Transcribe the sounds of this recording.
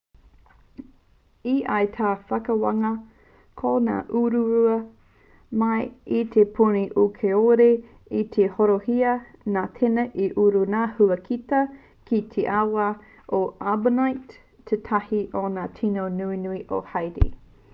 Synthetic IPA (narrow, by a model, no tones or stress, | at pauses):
iʔajtʰaːfɐkɐwɐŋɐ | kʰona̰ːʔuɾuɾuɐ | mɐjit̪ʰepʰuniʔukʰeoɾe | it̪ʰehoɾohiɐ | naːt̪ʰenɐʔiʔuɾunaːhuɐkʰitɐ | kʰit̪ʰeʔawa | ʔoabənajtʰː | etʰɐhiʔonaːtʰinownuinuiʔo̰hajɾḭ